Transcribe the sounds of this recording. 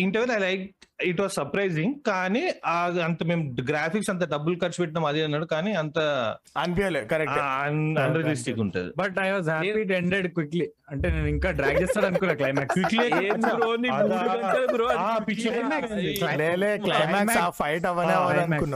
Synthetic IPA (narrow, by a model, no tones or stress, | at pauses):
iɳʈeʋenɐjlɐjk̚iʈʋaːzsɐɾpɾɐjzĩŋkaːniaːɐnt̪ɐmeːmɖɡɾaːpʰiksɐnt̪̬ɐɖɐbːɐlkɐɾt͡ʃuʋeʈ̬ːnɐmɐd̪iɐnːaːɽukaːniɐnt̪ɐɐnpolekɐɾek̚anɐnɾiɡlisʈikuɳʈa̰d̪ḭbɐʈɐjʋaːzɦapiʈeɳɖeɖkwʋikli | ɐɳʈeːneːniŋkaːɖɾaːɡd͡ʒeːst̪aːɽɐnukunːaːklɐjmaːkskʋikliekɐeːniɾoːniaɾkuɾoɐapit͡ʃːɐɐmaksiɐɖeleːklɐjmaːkmsaːfʰɐjʈɐʋɐneːʋɐkunːa